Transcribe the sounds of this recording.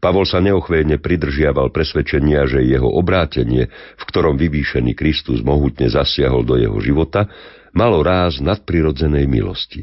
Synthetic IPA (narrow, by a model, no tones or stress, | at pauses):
paʋɔlsaɲɛɔxʋɛjɲɛpɾid̪r̩ʒɪaʋalpɾɛsʋɛt͡ʃɛɲɪaʒɛjɛɦɔ̰ʔɔbɾaːcɛɲɪɛ | fkt̪ɔɾɔmʋiʋiːʃɛnḭːkɾist̪uzmɔɦut̪ɲɛzasɪaɦɔld̪ɔjɛ̰ɦɔ̰ʒiʋɔt̪a | malɔɾaːznat̪̚pɾiɾɔd͡zɛnɛjmḭlɔ̰sci